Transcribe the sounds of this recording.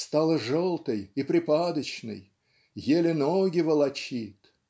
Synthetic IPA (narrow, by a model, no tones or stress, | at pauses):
st̪alˠəʐolˠt̪əjipɾʲɪpad̪ət͡ɕnɨ̰j | jelʲɪnoɡʲɪvəlˠɐt͡ɕit̪